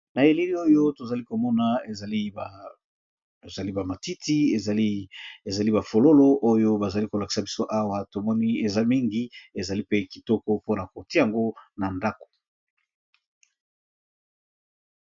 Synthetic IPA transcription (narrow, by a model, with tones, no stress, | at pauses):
na˨e˨li˦li˦o˦jo˦to˨za˨li˦ko˨mɔ˦na˨e˨li˦˨ | e˨za˨li˦ba˨ma˨ti˦ti˦e˨ze˨za˨li˦ba˨fo˨lo˦lo˦ʔo˦jo˦ba˨za˨li˦ko˨la˨ki̥˨sa˨bi˦so˦ʔa˦wa˦to˨mɔ˦ni˦e˨za˦mi˦ŋɡi˦e˨za˨li˦pe˦ki˨tɔ˦kɔ˦po˦na˨ko˨ti˦a˨ŋɡo˦na˨nda˦ko̥˨